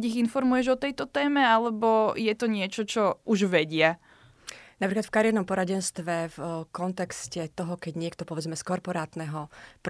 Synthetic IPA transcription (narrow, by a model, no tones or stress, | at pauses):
iɣinfɔɾmujɛʒɔt̪ɛjt̪ɔt̪ɛːmɛalɛbɔjɛt̪ɔɲɪɛt͡ʃɔt͡ʃɔuʒʋɛɟɪa | napɾiklat̪fkaɾɪɛɾnɔmpɔɾaɟɛnst̪ʋɛfkɔnt̪ɛkscɛt̪ɔɦɔkɛɟɲɪɛk̚t̪ɔpɔʋɛd͡zmɛskɔɾpɔɾaːt̪nɛɦɔp